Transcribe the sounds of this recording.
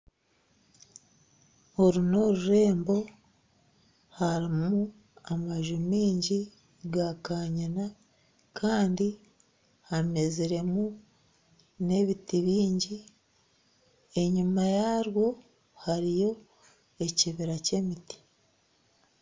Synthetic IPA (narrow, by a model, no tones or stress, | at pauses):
hoɾuno̞ɾuɾe̞ːmbo̞ | haɾimu | amaʒumiːɲɟi | ɡakaːɲana | kʰaːndi | hame̞ziɾe̞mu | ne̞βitiβiːɲɟi | e̞ɲumajaɾwo̞ | haɾijo̞ | e̞ciβiɾace̞miti̥